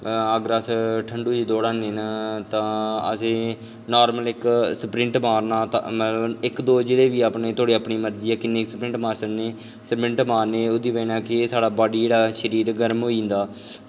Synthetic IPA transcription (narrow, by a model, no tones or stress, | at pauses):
əɡəɾəsʈʰəɳɖuːiːd̪oːɽaːneːnaːt̪ãːə̰sẽː | naːɾməlɪksəpɾɪ̃ɳʈmaːɾnaːt̪ã̰mət̪ləbɪkd̪oːd͡ʒeːɽeːʋiːaːpneːt̪ʊaːɽiːaːpɳiːməɾd͡ʒiːɛːkɪnːeːksəpɾɪ̃ɳʈmaːɾsənneː | səpɾɪ̃ɳʈmaːɾneːoːd̪iːʋẽːnaːkɪsaːɽaːbaːɖiːd͡ʒeːɽaːʃəɾiːɾɡəɾmɦoːiːnd̪aː